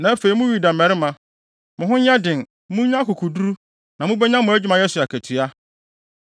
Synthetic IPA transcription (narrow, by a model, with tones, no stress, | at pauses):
nã˨˦æ˦fe˨i˨mʊ̃˦ɥi˨dã˨m˨ɛ˨ɾɪ˦mã˨ | mʊ̃˨ɦʊ̃˦ɲ˦ã˦dɪ̃˨n | mũ˦ɲã˦kʊ˨kʰu˨du˦ɾu˦ | nã˨mʊ̃˦bɛ˦ɲã˦mʊ̃˦æ˦d͡ʑᶣi˦mã˨jɛ˦sʊ˨a˨kʰæ˨tʰɥa˦